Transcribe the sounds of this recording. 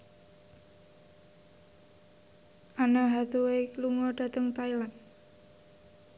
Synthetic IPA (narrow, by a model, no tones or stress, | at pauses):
ʔanaɦat̪uwekluŋɔɖ̥a̤t̪əŋt̪ailan